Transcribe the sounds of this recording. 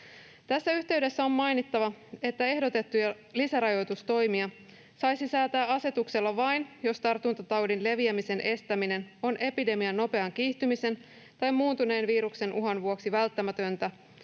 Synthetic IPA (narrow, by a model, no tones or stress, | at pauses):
t̪æsːæyçt̪e̞ɥde̞sːæo̞mmɑjnit̪ːɑʋɑe̞t̪ːæe̞hdot̪e̞t̪ːujɑ | lisæɾɑjo̞jt̪ust̪o̞jmiɑ | sɑjsisæːt̪æːɑse̞t̪ukse̞lːɑʋɑjnjo̞st̪ɑrt̪unt̪ɑt̪ɑwdinle̞ʋiæmise̞nʔe̞st̪æmine̞no̞nʔe̞pide̞miɑnːo̞pe̞ɑŋkiːht̪ymise̞n | t̪ɑjmuːnt̪une̞ːnʋiːɾukse̞nʔuɦɑnʋuo̞ksiʋælt̪ːæmæt̪ønt̪æ